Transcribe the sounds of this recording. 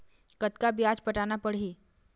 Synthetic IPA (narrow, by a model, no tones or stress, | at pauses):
kət̪kabjaːd͡ʒpəʈaːnapəɽɦiː